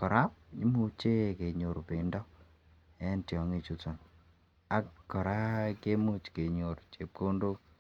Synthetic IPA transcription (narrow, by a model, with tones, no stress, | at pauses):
kɔ˨ɾa˦p̚ɲɪ˦mu˦t͡ʃe˦ke˨ɲo˨ɾpe˨ndɔ˦ | ɛ˦ntjɔ˨ŋe˦t͡ʃu˦tɔ˨n | a˦kkːɔ˨ɾa˦ke˦mu˦t͡ʃke˨ɲo˨ɾt͡ʃe˨p̚ko˦ndo˦k